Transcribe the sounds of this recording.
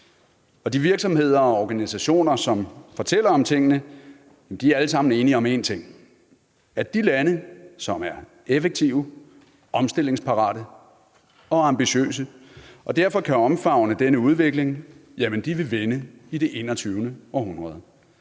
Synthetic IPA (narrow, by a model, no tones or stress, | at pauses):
ɒ̽d̥iʋiɐɡ̥sɒ̽mhe̝ð̞̰ˠɐɒɒɡ̥ænisæɕo̝̰ːnɐsɒ̽mfɒ̽t͡sʰel̰ɐɒ̽mt͡sʰe̝ŋ̰ənə | jæmn̩d̥iæɐæləsɑ̈m̰n̩e̝ːniɒ̽me̝ːnt͡sʰe̝ŋ̰ | æɐd̥ilænəsɒ̽mæɐ | efeɡ̚t͡sʰiʊ | ʔɒ̽msd̥e̝l̰e̝ŋspʰɑ̈ʁɑ̰̈ːɾ̥ə | ɒ̽ɑ̈mbiɕø̰ːsəʔɒ̽d̥æɐ̰fɒ̽kʰæɒ̽mfɑ̈ʊ̰nəd̥enəuð̞ˠʋe̝ɡ̥le̝ŋjæmənd̥iʋe̝ʋenəid̥e̝ʔe̝̰ːnɐt͡sʰyːʊnəɒ̽ɦunʁɐð̞ˠ